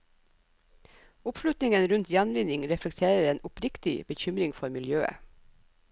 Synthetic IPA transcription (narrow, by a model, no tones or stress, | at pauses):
ʊpʃlʉt̪nɪŋənɾʉnt̪jænʋɪnɪŋɾɛflɛkt̪ʰeːɾəɾeːnʊpɾɪkt̪ɪ̰b̥əçʏmɾɪŋfɔɾmɪljøːə̰